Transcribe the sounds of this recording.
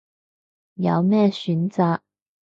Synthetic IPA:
jɐ̰˨˥wmɛː˥˧sy˨˥nt͡saː˨˧˥

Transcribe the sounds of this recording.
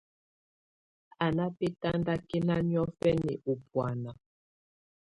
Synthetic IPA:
a˨na˦pe˦ta˦nda˦ke˦na˦mjɔ˦fɛ˦nɛ˨ʔo˨pwa˨na˨

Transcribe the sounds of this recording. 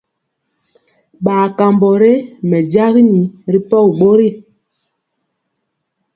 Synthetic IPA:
ɓaː˨ka˨mbɔ˨ɾe˦mɛ˨d͡ʒa˦ɣi˦ni˨ɾi˦pɔ˦˨ɓo˦ɾi˦˨

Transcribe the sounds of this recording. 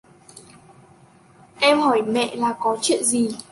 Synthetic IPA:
ʔɛ˧mhɔ˧˩jmɛ̰˧˨laː˨˩kɔ˨˦t͡ɕwḭ˧˨ənzi˨˩

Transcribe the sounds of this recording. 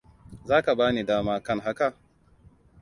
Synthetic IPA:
zaː˦ka˨baː˦ni˨daː˦maː˦kɐ˦ŋɦa˦ka˨

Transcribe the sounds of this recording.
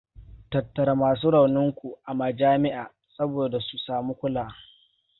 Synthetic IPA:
tɐ˨tːɐ˨ɾa˦maː˨s̬uː˦ɽɐ˨wnɪ˦ŋkʷu˨ʔa˨mɐ˨d͡ʒaː˦mɪ˦ʔaː˨ | sɐ˦boː˨da˨su˨saː˨muː˦kʷʊ˦laː˨

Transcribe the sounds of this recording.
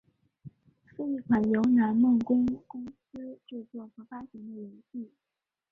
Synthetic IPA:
s̩˥˧i˥˩kʰwa˨˩njo˧˥ʊna˧˥nmɤ˥˩ŋkʊ˥ŋkʊ˥ŋsɹ̩˥ʈ͡ʂɻ̩˥˧t͡swɔ˥˩xɤ˧˥fa˥ɕi˧˥ŋd̪ə˧˩jɛ˧˥nɕi˥˩

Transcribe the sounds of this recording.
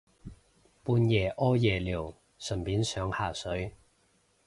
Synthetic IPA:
puː˧njɛː˨˩ʔɔː˥jɛː˨liː˨˩w | sɵ˨˩npiː˨˥nsœː˨˥ŋhaː˨˩sɵ˨˥ɥ

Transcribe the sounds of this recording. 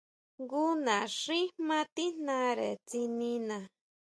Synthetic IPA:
ŋɡu˦nã˨ʂĩ˦hmã˦t̪i˦n̥nã˧˦ɾe˨t͡si˧nĩ˧nã˨

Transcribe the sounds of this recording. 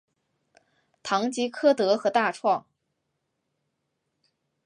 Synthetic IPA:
t̪ʰɑ˧˥ŋt͡ɕi˧˥kʰɤ˥˩t̪ɤ˧˥xɤ˧˥t̪a˥˧ʈ͡ʂʰwɑ˥˩ŋ

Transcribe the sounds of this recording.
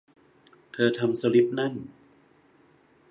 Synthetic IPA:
t̪ʰɤː˧t̪ʰa˧mso˧li˦˥p̚na˥˩n

